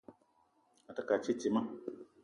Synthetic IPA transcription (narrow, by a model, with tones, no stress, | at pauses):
a˨ta˦ka˨t͡ʃi˦ti˨mã˦